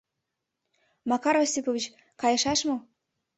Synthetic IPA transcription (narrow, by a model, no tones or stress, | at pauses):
mɑkɑɾosʲipovʲit͡ɕ | kɑjɤ̆ʃɑʃmɤ